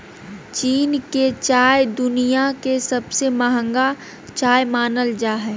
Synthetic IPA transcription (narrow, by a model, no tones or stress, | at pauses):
t͡ʃiːnket͡ʃaːjd̪ʊnijakesɐbsemaɦə̃ŋɡa | t͡ʃaːjmaːnəld͡ʒaːɦɛː